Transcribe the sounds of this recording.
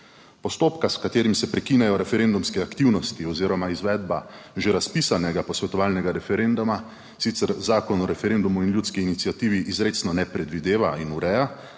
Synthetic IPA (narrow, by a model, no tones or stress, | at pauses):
pɔst̪oːpkaskat̪eːɾimsɛpɾɛkiːnɛjɔɾɛfɛɾend̪umskɛakt̪iwnɔst̪iɔziːɾɔmaizʋɛːd̪baʒeɾaspiːsanɛɡapɔsʋɛt̪ɔʋaːlnɛɡaɾɛfɛɾend̪uma | sit̪sɛɾzaːkɔnɔɾɛfɛɾeːnd̪umuinljuːt̪skiːnit̪sijat̪iːʋiʔːzɾeːt̪snɔnɛpɾɛd̪ʋid̪eːʋainuɾɛja